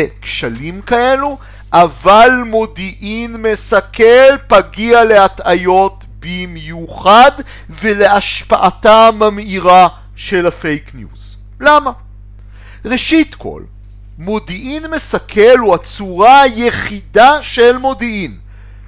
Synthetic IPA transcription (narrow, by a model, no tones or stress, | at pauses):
ekʃalimkae̞lu | ʔavalmo̞diʔinme̞sakelpaɡiale̞atajo̞t | bimjuχad | vele̞aʃpaʔatamamiʁa | ʃelafe̞jknjṵz̥ | lama | ʁeʃitkʰo̰l | mo̞diʔinme̞sakʰe̞luat͡suʁajeχidaʃe̞lmo̞diʔin